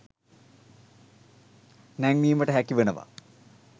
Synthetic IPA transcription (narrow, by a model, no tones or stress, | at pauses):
næŋniːməʈəɦækiʋenəʋa̰